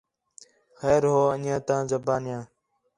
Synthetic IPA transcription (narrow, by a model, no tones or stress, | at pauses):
xeːɾɦoːəɲãːt̪ãːzəbaːnjãː